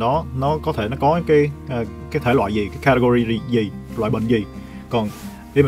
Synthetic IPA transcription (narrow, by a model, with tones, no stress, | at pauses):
nɔ˨˦nɔ˨˦kɔ˨˦t̪ʰe˧˩nɔ˨˦kɔ˨˦kaː˨˦jʔkaː˨˦jt̪ʰe˧˩lwa̰ː˧˨jzi˨˩kaː˨˦jkaː˧tə˧ɣo˧zi˧zi˨˩zi˨˩lwa̰ː˧˨jɓə̰˧˨ŋ̟zi˨˩ | kɔ˨˩n | ɗi˧wm˨